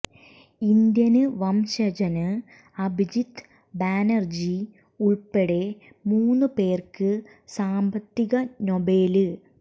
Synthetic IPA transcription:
ind̪jɐnɨʋɐmɕɐd͡ʑɐnɨ | ɐbʱid͡ʑit̪ː | baːnɐrd͡ʑi | uɭpeɽe̞ | muːnːɨpe̞ːrkɨ | saːmbɐt̪ːiɣɐno̞be̞ːlɨ

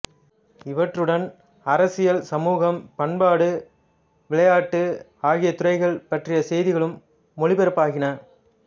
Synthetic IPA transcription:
ɪʋɐʈrɯɽɐn | ɐɾɐsɪjɐlsɐmuːɣɐmpɐɳbaːɽɯ | ʋɪɭɐjaːʈːɯ | aːɣɪjɐt̪ʊrɐɪɣɐɭpɐʈrɪjɐsɛjðɪɣɐɭɯmː | ɔɻɪbɛɾɯpːaːɣɪnɐ

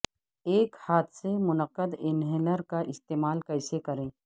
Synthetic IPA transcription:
eːkhaːt̪semʊnəqːəd̪ɪnɦeːnəɾkaʔɪst̪eːmaːlkɐɪsekɐɾẽː

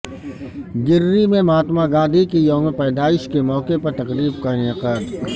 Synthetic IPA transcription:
ɡɪɾːimẽmaːt̪maɡãːd̪ʱikijoːmepɛːd̪aːɪʃkemɔːkepɐɾt̪ɐqɾiːb̚kaɪnɪqaːd̪

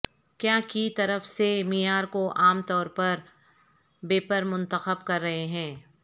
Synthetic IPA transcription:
kjaːkit̪ɐɾəfsemɪjaːɾkoʔaːmt̪ɔːɾpɐɾ | beːpəɾmʊ̃nt̪əxəbkɐɾːɐɦeɦɛ̃ː

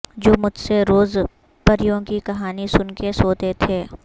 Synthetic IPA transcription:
d͡ʒoːmʊd͡ʒʱseɾoːz | pɐɾɪjõkikɐɦaːnisʊnkesoːt̪et̪ʰeː

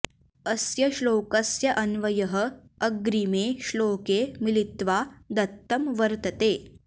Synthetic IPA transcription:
ɐsjɐʃloːkɐsjɐʔɐnʋɐjɐɦə̆ɐɡɾimeːʃloːkeːmilit̪ʋaːd̪ɐt̪ːɐmʋɐɾt̪ɐt̪eː

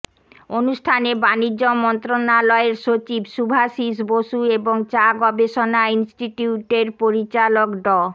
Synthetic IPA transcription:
onuʃʈʰanebanid͡ʑomɔnt̪ɾonalɔeɾʃot͡ɕibʃubʱaʃiʃ̬boʃueboŋt͡ɕaɡɔbeʃonainsʈiʈiuʈeɾpoɾit͡ɕalokɖɔ

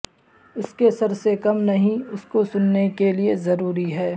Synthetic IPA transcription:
ʊskesɐɾsekɐmnɐɦĩʊskosʊnːekeliezɐɾuːɾiɦɛː

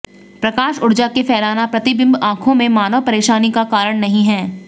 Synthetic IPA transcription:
pɾɐkaːʃʊɽd͡ʒakefɛːlaːnapɾɐt̪ɪbɪ̃mbãːkʰõmẽmaːnəʋpɐɾeːʃaːnikakaːɾəɽ̃nɐɦĩɦɛ̃ː

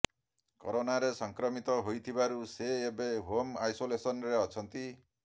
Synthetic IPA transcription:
kɔ̰ɾonaɾesɔŋkɾɔmit̪ɔɦojt̪ʰibaɾuseːbeɦomajsolesɔnɾeɔt͡ʃʰʌnt̪i

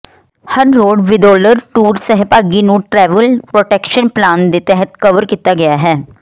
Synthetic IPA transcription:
hɐɾːoːɖʋɪd̪oːləɾʈuːɾsɐɦɪpaɡinũʈɾɛːʋəlpɾoːʈeːkʃənplaːnd̪et̪ɛɦət̪kɐʋəɾkiːt̪aɡɐjaɦɛː

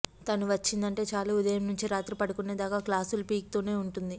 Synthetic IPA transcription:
t̪ɐnuʋɐt͡ʃːind̪ɐɳʈe̞ːt͡ʃaːlaːud̪ɐjɐmnuɲt͡ʃiɾaːt̪ɾipɐɽukuneːd̪aːkaːklaːsulpiːk̚t̪o̞ːne̞ːuɳʈund̪i

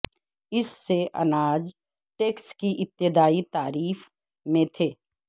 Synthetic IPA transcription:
ɪsːeʔɐ̰naːd͡ʒ | ʈeːkskiʔɪt̪ːɪd̪aːit̪aːɾiːf | mẽt̪ʰeː

